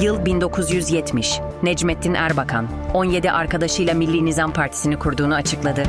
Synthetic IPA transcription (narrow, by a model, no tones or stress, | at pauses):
jɯlˠbind̪o̞kʰuzjyzjɛt̪ʰmiʃ | nɛd͡ʒmɛt̪ʰːinʔæ̰ɾbakʰa̰n | o̞nje̞d̪iʔaɾkad̪aʃɯjlˠamilʲːinizampʰaɾt̪ʰi̥sinikʰuɾd̪uːnuat͡ʃʰɯklˠad̪ɯ